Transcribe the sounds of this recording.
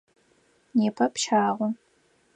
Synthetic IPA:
neːpʰɐpʃaːʁʷʊ

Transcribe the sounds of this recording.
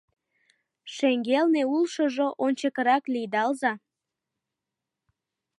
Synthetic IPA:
ʃeŋɡelneulʃəʒoʔonʲt͡ɕəkəɾɑklijd̪ɑlzɑ

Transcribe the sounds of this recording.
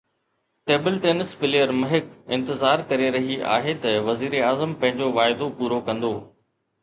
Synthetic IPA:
ʈeːbəlʈeːnɪsfɪlejəɾmɐɦɪkɪ̃nt̪ɪzaːɾkɐɾeɾɐɦiʔa̰ːɦet̪ɐʋɐziːɾeaːzəmpɐ̃ɦɪ̃ɲd͡ʑoʋaːɪd̪opuːɾokɐ̃nd̪oː

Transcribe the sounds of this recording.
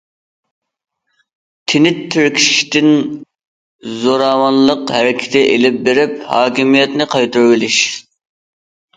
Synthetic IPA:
t̪ʰɪnɪt̪ʰːyɾkʲʰi̥ʃi̥ʃt̪ɪn | zoɾɑːwɑnlˠəqhæɾɪkʲʰɪ̥t̪ʰɪʔelɪp̚beɾɪp̚hɑːkʲimijɛt̪nɪqʰɑjt̪ʰuɾwɪlɪʃ

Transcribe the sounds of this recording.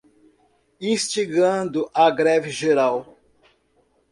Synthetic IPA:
ĩst͡ʃiɡɐ̃d̪ʊʔaɡɾɛvɪʒeɾaw

